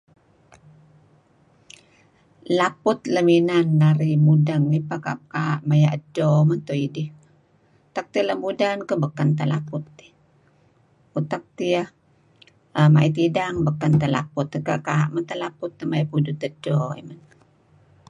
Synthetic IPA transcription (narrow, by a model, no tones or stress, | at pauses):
lapʊt̪ləminanːaɾimudəŋipaka̰p̚kaʔmajaʔədɔmənt̪oidih | ut̪ak̚t̪iələmudankəbəkənt̪alapʊt̪̚ːi̥ | ut̪ak̚t̪iəh | əmaʔit̪idaŋbəkːənt̪ala̰pʊt̪ːəka̰ʔkaʔmənt̪alapʊt̪ːəmaipudut̪ədɔḭmən